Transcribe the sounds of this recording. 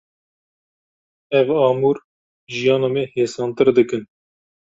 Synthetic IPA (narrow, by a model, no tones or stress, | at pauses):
ɛvɑːmuːɾ | ʒijɑːnɑːmɛheːsɑːnt̪ɨɾd̪ɨkɨn